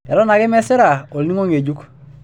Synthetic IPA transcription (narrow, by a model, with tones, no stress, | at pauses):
e˨ɾo˦na˨ke˦mɛ˦se˦ɾa˨o˨lni˦ŋo˦ŋe˨ɟu˦k